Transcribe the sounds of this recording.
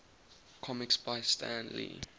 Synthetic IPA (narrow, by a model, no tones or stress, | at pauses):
kʰɔmiksb̥aɪstʰæ̃nlḭ